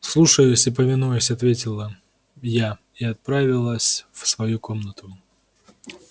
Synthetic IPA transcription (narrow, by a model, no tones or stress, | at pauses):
slˠuʂəjʊsʲɪpəmʲɪnujʊsʲɐt̪vʲetʲɪlˠə | ja | iɐt̪̚pɾavʲɪlˠəsʲfsvɐjuko̞mnət̪ʊ